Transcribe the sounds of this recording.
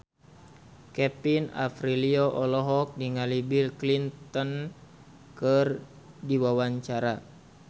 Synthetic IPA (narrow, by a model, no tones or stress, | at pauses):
kɛpina̰fɾilioʔɔlɔɦɔk̚diŋalibilklintt̪ɔn | kər | diwawaɲt͡ʃaɾa